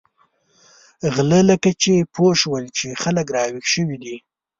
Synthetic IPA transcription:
ɣlələkat͡ʃepʰoʃwəlt͡ʃexaləkɾɑwixʃəwid̪i

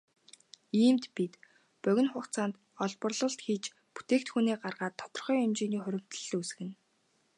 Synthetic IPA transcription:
iːmt̪pit̪ | pœɣʲɪ̆nχʊkt͡saːnt̪ | ɔɮpɞ̆rɮɞ̆ɬt̪xiːt͡ɕ | pu̥t̪eːkt̪xuniːɢarʁaːt̪ʰːɔ̥t̪ɞ̆rχœːʊmt͡ɕiːniːχʊɾʲɪ̆m̥t̪ə̆ɮus̆ɣɘ̆n

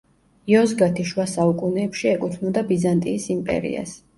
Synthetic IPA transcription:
iɔzɡat̪ʰiʃwasaukʼunɛːpʃiɛkʼut̪ʰmɔd̪abizant̪ʼiːsimpʼɛ̰ɾḭa̰s

